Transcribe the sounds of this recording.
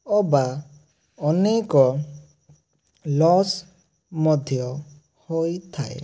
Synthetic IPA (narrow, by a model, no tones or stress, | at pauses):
ɔba | ɔnekɔ | lɔs | mɔd̪ʱjɔ | hojt̪ʰa̰ḛ